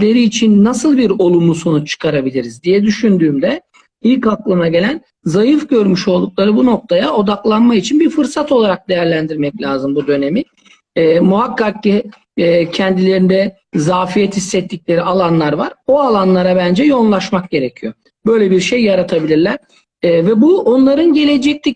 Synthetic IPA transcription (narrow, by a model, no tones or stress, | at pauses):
lʲe̞ɾiːt͡ʃʰinːasɯlˠbiɾo̞lˠumuso̞nut͡ʃʰːɯ̥kʰaɾabilʲiɾizd̪ijɛd̪yʃynd̪yːmd̪ɛ | ilʲkaklˠɯmaɟe̞lʲæn | zajɯfɟø̞ɾmyʃo̞lˠd̪uk̚lˠaɾɯbuno̞k̚t̪ʰajao̞d̪aklˠanmait͡ʃʰinbiɾfɯɾsat̪o̞lˠaɾak̚d̪e̞jæɾlʲænd̪iɾmɛclʲaːzɯmbud̪ø̞ne̞miː | muɦakːak̚ciː | cʰɛnd̪ilʲe̞ɾind̪ɛ | zaːfijɛt̪hisːɛt̪ʰːiclʲe̞ɾialˠanlˠaɾvaɾoalˠanlˠaɾabænd͡ʒɛjo̞nlˠaʃmak̚ɟe̞ɾecʰijo̞ | bø̞jlʲebiɾʃejːaɾat̪ʰabilʲiɾlʲæɾ̥ː | vɛbuo̞nlˠaɾɯnɟe̞lʲe̞d͡ʒɛc̚t̪ʰʲic